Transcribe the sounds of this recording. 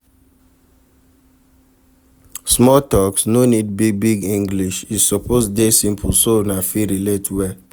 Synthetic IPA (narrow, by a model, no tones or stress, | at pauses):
smɔtɔksnonid̚bibiɡĩŋɡliʃisɔposdesĩmpʰusonafiɾiletʰwɛ